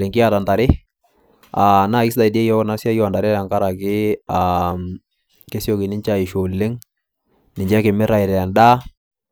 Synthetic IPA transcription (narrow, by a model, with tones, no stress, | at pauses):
lɪ˨ŋkɪ˦a˦˨ta˨nda˨ɾɪ˦ | a˨na˦˨kɪ˦s̬da˨ɪ˨de˦jɔ˦na˦sja˦jɔ˦˨a˨nda˨ɾɪ˦ɾa˨ŋka˦ɾa˨kɪ˦a˨ | ke˦sjo˨kɪ˨nɪ˦ɲt͡ʃa˨ɪ˨ʃo˨le˦ŋ | nɪ˨ɲd͡ʒɛ˦kɪ˨mɪ˦ɾa˨ɪ˨ɾɛ˨a˨nda˦